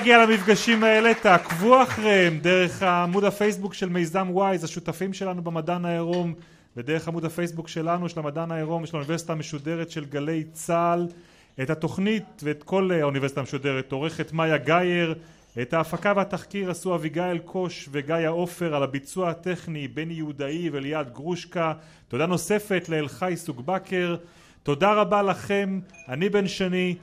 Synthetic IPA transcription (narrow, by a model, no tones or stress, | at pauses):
aɡialamifɡaʃimae̞le̞takvuaaχʁehemde̞ʁe̞χaːmudhafe̞jsbukʃelmejzamwajzaʃutafimʃelanubemadanaeʁo̞m | ved̪e̞ʁeχamudafe̞jsbukʃe̞lanuʃelamadanaeʁo̞mjɛʃlaunive̞si̥t̪ameʃude̞ʁetʃe̞lɡale̞jt͡sal | ethato̞χnitveːt̪ko̞launive̞si̥t̪ameʃude̞ʁet̪o̞ʁe̞χet̪majaɡaje̞ʁ | ethaːfakaveat̪aχkiʁasuaviɡaelkʰo̞ʃveɡajao̞fe̞ʁalabit͡suahat̪e̞χnibe̞njeud̪aiveljad̪ɡʁuʃka | t̪o̞d̪ano̞se̞fe̞t̪leːlχajsuɡbakʰe̞ʁ | to̞daʁabalaχe̞manibe̞nʃeni